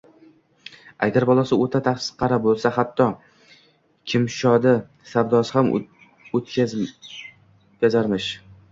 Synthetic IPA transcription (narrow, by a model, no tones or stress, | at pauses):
a̰ɡʲaɾbɒlˠasɪot̪ʰat̪ʰaχsɪ̥qʰɑɾabolˠsahat̪ʰːɒ | kʲʰɪmʃɒd̪a | saɾd̪ɒsɪham | ot̪ʲ | kʲazaɾmɪʃ